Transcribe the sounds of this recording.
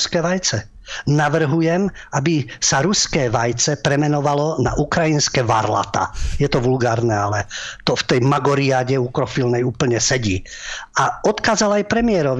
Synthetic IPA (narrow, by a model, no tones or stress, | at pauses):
skɛʋajt͡sɛ | naʋr̩ɦujɛm | abisaɾuskɛːʋajt͡sɛpɾɛmɛnɔʋalɔna̰ʔukɾajinskɛʋa̰ɾla̰t̪a̰jɛt̪ɔʋulɡaːɾnɛalɛt̪ɔft̪ɛjmaɡɔɾiaɟɛukɾɔfilnɛjuːpl̩ɲɛsɛɟiː | aɔt̪kaːzalajpɾɛmɪɛɾɔʋ